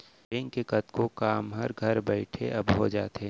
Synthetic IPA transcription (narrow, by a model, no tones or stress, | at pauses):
ẽŋkekɐt̪kokaːmɦɐɾɡʱɐɾbɛɪʈʰḛʔɐbɦod͡ʒaːt̪e